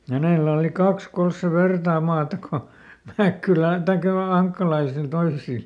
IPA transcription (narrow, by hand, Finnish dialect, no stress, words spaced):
hæneˑlæ oli kɑks kols se ʋertɑː mɑːtɑ ko mækːylæn tɑikːɑ̆ noil ɑŋkːɑlɑisil toisil